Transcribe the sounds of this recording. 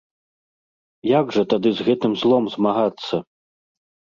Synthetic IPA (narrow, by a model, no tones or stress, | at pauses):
jaɡʐɐt̪ad̪ɨzɣɛt̪ɨmzlˠɔmzmaɣat̪sːɐ